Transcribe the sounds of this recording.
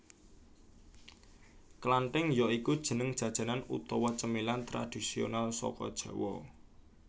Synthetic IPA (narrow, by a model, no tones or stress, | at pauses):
klaɳʈɪŋjɔikud̥ʒ̥ə̤nəŋd̥ʒ̥ä̤d̥ʒ̥ä̤nanṵt̪ɔwɔt͡ʃəmilant̪ɾa̰d̪̥i̤sio̰nalsɔ̰kɔ̰d̥ʒ̥a̤wɔ̰